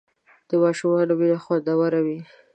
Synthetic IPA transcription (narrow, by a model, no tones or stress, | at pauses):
d̪̥əmɑʃumɑlobilaxwad̪awaɾawi